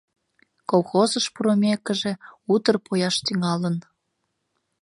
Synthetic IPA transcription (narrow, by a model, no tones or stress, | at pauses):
kolˠxozəʃpuɾomʲekəʒe̽ut̪ərpʰojɑʃt̪yŋɑlən